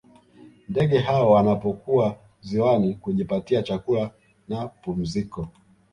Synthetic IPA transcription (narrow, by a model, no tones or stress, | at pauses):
ndɛɠɛɦaɔwanapɔkua | ziwanikuʄipatiat͡ʃakula | napum̩zikɔ